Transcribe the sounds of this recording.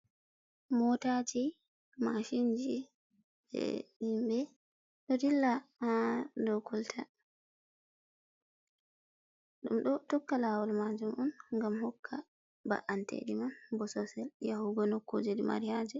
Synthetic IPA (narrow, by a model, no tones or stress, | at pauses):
mɔtad͡ʒi | maʃiɲd͡ʒi | ɛ̰himbɛ | ɗɔdilːa | dɔkɔltʰa | ɗumɗɔtɔkːalaːwɔlmad͡ʒumʔɔnŋɡamhɔkʰːa | ba̰ʔantḛɗimanbɔsɔsɛljahuɡɔnokːo̰d͡ʒidima̰ɾijad͡ʒɛ